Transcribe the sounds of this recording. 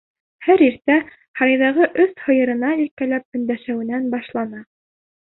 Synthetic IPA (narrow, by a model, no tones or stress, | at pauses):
hæɾiɾt̪æ | hɑɾɑjðɑʁɤʔɵθhɤ̆jɤ̆ɾɤ̆nɑilkælæp̚ɵ̆nd̪æʃæwɘ̆nænbɑʃlˠɑnɑ